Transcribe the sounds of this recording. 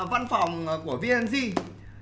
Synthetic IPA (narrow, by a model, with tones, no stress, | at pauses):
va˧nfa˨˩wŋ͡mku˧˩əvi˧a˧nzi˧